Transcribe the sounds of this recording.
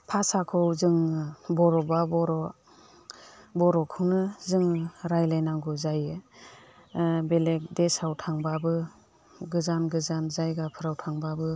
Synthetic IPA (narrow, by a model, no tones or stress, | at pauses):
pʰasakʰɔwzɯŋbɔɾɔbabɔɾɔ | bɔɾɔkʰɯwnɯzɯŋɾajlajnaŋɡuzajɯ | belek̚desawtʰaŋbabɯ | ɡɯzanɡɯzanzajɡapʰɯɾawtʰaŋbabɯ